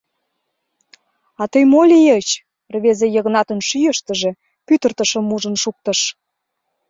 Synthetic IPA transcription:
ɑt̪əjmolʲijət͡ɕ | rβezejəɣnɑt̪ə̆nʃyjəʃt̪ə̆ʒe̽ | pyt̪ərt̪ə̆ʃə̆mːuʒə̆nʃuk̚t̪ə̆ʃ

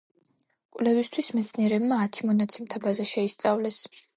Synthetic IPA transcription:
kʼwlɛvist̪ʰwismɛt̪sʰniɛɾɛbmaːt̪ʰimɔnat̪sʰɛmt̪ʰabazaʃɛist̪sʼavlɛs

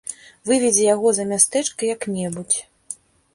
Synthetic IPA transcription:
vɨvʲɛd͡zʲɛjaɣɔzɐmʲast̪ɛt͡ʂkɐjɐknʲɛbut͡sʲ

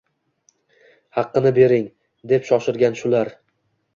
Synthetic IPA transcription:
hɑqːɨnɪbe̞ɾɪŋ | d̪e̞pʃɒʃɪɾɡʲanʃʊlaɾ

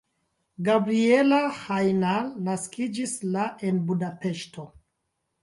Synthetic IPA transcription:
ɡabɾie̞lahajnalnaskid͡ʒislaʔe̞nbudape̞ʃtʰo̞

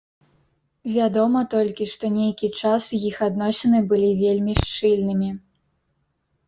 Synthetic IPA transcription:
vʲad̪ɔmɐt̪ɔlʲkʲiʂt̪ɔnʲejkʲit͡ʂasɨjixad̪nɔsʲɛnɨbɨlʲivʲelʲmʲiʂt͡ʂɨlʲnɨmʲi

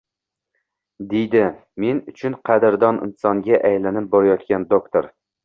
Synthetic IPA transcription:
d̪ejd̪ɪ | me̞nʊt͡ʃʰʊnqʰɑd̪ɪɾd̪ɒnʔɪ̰nsɒŋɡʲaʔajlanɪp̚boɾajɒt̪kʲand̪okt̪ʰoɾ

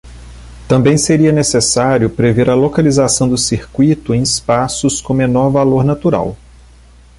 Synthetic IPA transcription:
t̪ɐ̃mbẽj̃seɾiɐnesesaɾjʊpɾeveɾɐlokalizasɐ̃w̃d̪ʊsiɾkwit̪ʊẽj̃ispasʊskõmenɔɾvaloɾnat̪uɾa̰w

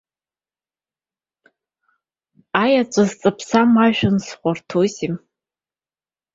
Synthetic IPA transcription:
ajat͡ʃʷʼazt͡sʼapʰsamaʒᶣansχʷartʰozim

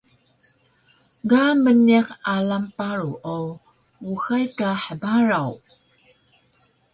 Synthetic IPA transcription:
ɡaməniqalampaɾuʔo | uxajkaħəbaɾaw

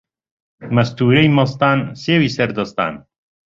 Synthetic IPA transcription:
mɐst̪uːɾejmɐst̪aːnseːwisɐɾd̪ɐst̪a̰ːn

